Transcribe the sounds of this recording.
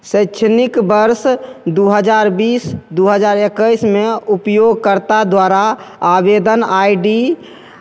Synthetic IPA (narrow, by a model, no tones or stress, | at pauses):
səɪt͡ʃʰnikbəɾsd̪uɦəd͡ʒaɾbiːsd̪uɦəd͡ʒaːɾekəɪsmeupjoɡkəɾt̪ad̪waɾaabed̪ənaiɖi